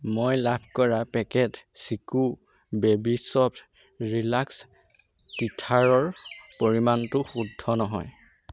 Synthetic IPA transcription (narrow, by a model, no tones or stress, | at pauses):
mojlabʱkɔɹapɛkɛtsiku | bɛbisɔp | ɹilaks | titʰaɹɔɹpoɹimantʊxudʱːɔnɔɦɔ̰j